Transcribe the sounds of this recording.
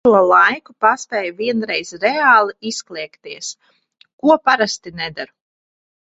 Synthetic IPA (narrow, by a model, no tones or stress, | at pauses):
uɔlˠajkupaspʲɛːjviɛnɾɛjzɾɛaːlˠiisklʲˠiɛkt̪iɛs | kuɔpaɾast̪inɛd̪aɾ